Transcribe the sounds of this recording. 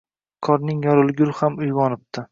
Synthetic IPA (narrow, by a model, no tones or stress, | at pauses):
kʰɒɾnɪŋjɒɾɪlˠɡʲʊlhamʊjvɒnɪp̚t̪ʰɪ